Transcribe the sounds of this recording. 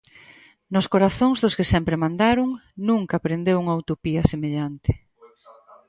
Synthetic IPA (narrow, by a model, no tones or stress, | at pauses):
nʊskoɾaθoŋzðʊskɪsɛmpɾemãnd̪aɾʊŋnũŋkaːpɾend̪ewuŋɐawt̪opiɐsemeʎant̪ɪ̥